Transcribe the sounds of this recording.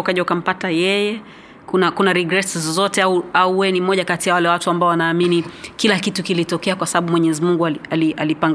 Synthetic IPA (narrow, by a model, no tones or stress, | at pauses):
ukaʄaukam̩patajɛjɛ | kunakunaɾiɡɾɛszzɔtɛauauwɛnimɔʄakatiawalɛwatuambaɔwanaːminikilakitukilitɔkɛakwasaɓaɓumwɛɲɛɛzimuŋɡualaliʔalipaŋɡ